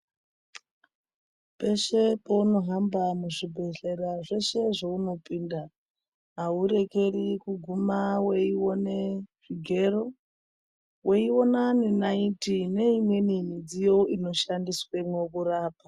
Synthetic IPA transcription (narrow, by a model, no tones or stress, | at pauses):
pe̞ʃe̞pouno̞ɦambamuʐibʱe̞ɮe̞raʐe̞ʃe̞ʐeuno̞piːnda | ɦauɾe̞ke̞rikuɡʱumawe̞iwoneʐ̥iɡʱe̞ro̞ | weiwo̞nanenaintine̞imwe̞nimid͡zijo̞ino̞ʃandiswemwokuraːpa